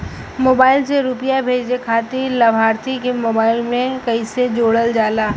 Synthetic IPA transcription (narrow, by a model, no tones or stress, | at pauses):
moːbaːɪlseɾuːpɪjabʱeːd͡ʒlekʰaːt̪ilɐbʱaːɾt̪ʰikemoːbaːɪlmẽkɐised͡ʒoːɽəld͡ʒaːlaː